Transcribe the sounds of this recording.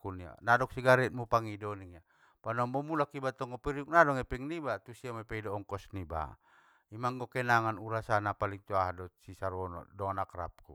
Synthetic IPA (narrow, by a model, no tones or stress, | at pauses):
kunia̰nadɔk̚siɡaɾɛt̪̚mupaŋidɔniŋa | panɔmbɔmulakibat̪ɔŋɡɔpiɾiuk̚nadɔŋɛpɛŋnibat̪usiamɛpɛidɔːŋkɔsniba̰ | imaŋɡɔkɛnaŋanuɾasanapaliŋt̪uaɦadɔsisaɾɔnɔ̰dɔnakɾa̰p̚ku